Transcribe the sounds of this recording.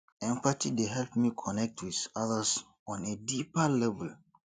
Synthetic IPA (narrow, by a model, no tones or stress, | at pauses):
ɛ̃mpatideɦɛlpmikʰɔnɛk̚tʰwiθaðas | ɔ̃nedipalɛvɛl